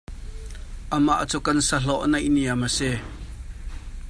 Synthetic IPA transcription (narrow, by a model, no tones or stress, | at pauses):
ʔəmaʔt͡sukɐnsɐɬɔʔnɐjʔniaməsɛ